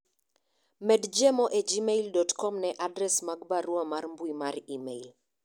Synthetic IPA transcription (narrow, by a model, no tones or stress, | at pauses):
mɛdd͡ʒɛmoʔed͡ʒimeildɔtkɔmnɛʔadɾɛsmaɡ̚baɾuamaɾmbuimaɾimeil